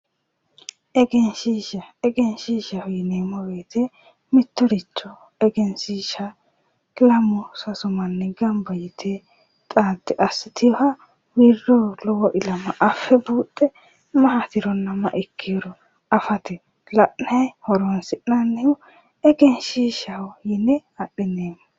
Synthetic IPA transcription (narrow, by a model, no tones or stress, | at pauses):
ʔɛɡɛnʃiːʃɐɛɡɛnʃiːʃɐhɔjneːmɔbeːt̪ʰe | mɪt̪ːɔɾɪt͡ʃːɔ | ɛɡɛnsiːʃɐ | lɐmʊsɐsʊmɐnːɛɡɐmbɐjɪt̪ʰeː | t̪ʼaːt̪ːɪʔɐsːɪt̪ʰɪjɔhɐ | wirːɔlɔwɔʔɪlɐmɐʔɐfːɛbuːtʼːɛ | mɐɦɐt̪ɪɾɔnːɐmɐ̰ʔɛkʰːɪɾɔ | ɐfɐt̪ɛ | lɐʔnɐhɔɾɔnsɪʔnɐnːɛjʊ | ɛɡɛnʃiːʃɐhʊjɪnːɛɐɗːɪneːmːɔ